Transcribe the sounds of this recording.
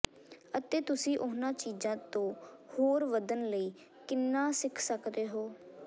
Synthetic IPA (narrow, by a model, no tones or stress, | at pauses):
ət̪eːt̪ʊsĩːʔʊnãːt͡ʃiːzãːt̪õːhoːɾʋəd̪ənləiː | kɪnːãːsɪkʰsəkd̪eːɦoː